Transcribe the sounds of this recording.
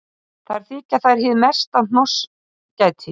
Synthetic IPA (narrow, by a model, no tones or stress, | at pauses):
θaɾ̥θiːcaθajɾ̥hɪðmɛ̥st̪an̥nɔs | cajt̪ʰɪ